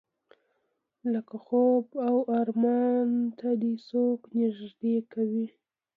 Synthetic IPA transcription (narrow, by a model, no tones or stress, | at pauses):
ləkaxobawɑɾmɑnt̪ʰad̪esoknɪʒd̪ekawi